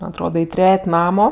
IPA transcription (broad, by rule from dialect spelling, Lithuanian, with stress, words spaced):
mɐnʲ ɐtˈroːdɐ ɪ ˈtʲrʲɛtʲ ˈnɑːmoː